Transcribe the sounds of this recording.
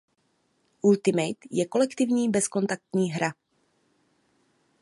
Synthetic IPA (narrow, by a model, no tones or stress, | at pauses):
ʔult̪ɪmɛjt̪jɛko̞lɛkt̪ɪvɲiːbɛsko̞nt̪ak̚t̪ɲiːɦɾa